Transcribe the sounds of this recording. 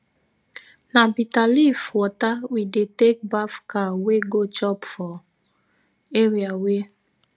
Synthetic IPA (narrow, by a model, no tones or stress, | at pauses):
nabitalifwɔtawidetek̚bafkaweɡot͡ʃɔpfɔ | eɾiawe